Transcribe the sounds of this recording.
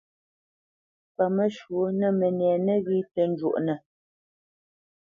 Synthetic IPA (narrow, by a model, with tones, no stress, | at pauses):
pə˨mə˦ʃwu˨˦nə˦˨mə˨nɛ˨nə˦ɣi˦tə˨˦n˦d͡ʒwo̰˦˨ʔnə˨